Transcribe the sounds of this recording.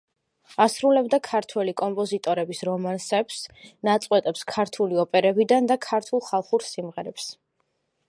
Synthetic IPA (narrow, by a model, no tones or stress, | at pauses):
asɾulɛbd̪akʰaɾt̪ʰwɛlikʼɔmpʼɔzit̪ʼɔɾɛbisɾɔmansɛpsnat̪sʼqʼwɛt̪ʼɛpskʰaɾt̪ʰuliɔpʼɛɾɛbid̪and̪akʰaɾt̪ʰulˠχalˠχuɾsimʁɛɾɛps